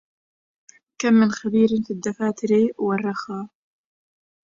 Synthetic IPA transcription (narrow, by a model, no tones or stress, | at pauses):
kamːɪnxabiːɾfid̪ːafaːt̪ɾiwɑrˤːɑxaː